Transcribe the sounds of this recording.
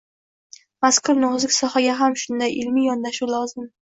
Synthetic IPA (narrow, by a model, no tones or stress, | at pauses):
maskʰʊɾnʊzɪkʲsɒhaɡʲaɦamʃʊnd̪ajʔɪlmijɒnd̪aʃulˠɒzɪm